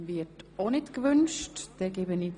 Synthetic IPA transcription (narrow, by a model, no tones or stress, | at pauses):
vɪtonɪtkʋʏnʃtd̥ɛɡɛbənɪ